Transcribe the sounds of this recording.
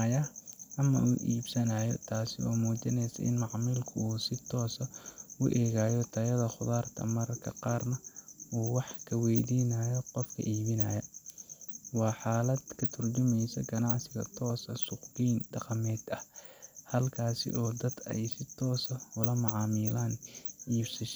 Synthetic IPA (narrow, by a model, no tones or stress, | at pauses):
jɐʔɐmɐ̰ʔṵːʔiːbsɐnaːjɔ̰t̪ʰaːsɪɔːmuːt͡ʃɐnɛjsɐ̰ʔɪ̰nmɑʕmiːlkʰʊuːsɪt̪ʰɔːsɐʊʔɛːɣaːjɔt̪ʰɐjɐðɐχʊðaːrt̪ʰɐ̰mɐɾɐkʰɐ̰qɑːrnɐuːwɑħkʰɐwɛjd̪iːnɐjɔqɔfkʰɐ̰ʔiːβɪnɐjɐ | wɑːħɑːlɐd̪kʰɐt̪ʰʊrt͡ʃʊmɛjsɐɡɐnɑʕsɪɣɐ̰t̪ʰɔːsɐsʊqbiːnɖɑqmɛːd̪ɐhhɐlkʰaːsɪ̰ʔɔːd̪ɐd̪ɛ̰jsɪt̪ʰɔːsɐʊlɐmɑʕɑːmiːlaːnʔiːbsɐʃ